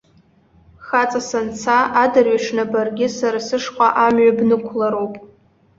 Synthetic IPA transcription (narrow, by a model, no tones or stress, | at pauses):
χat͡sʼasant͡sʰaʔadarɥaʂnabarɡʲɪsarasɨʂqʷʼaʔamɥabnɨkʷʰlaɾowpʼ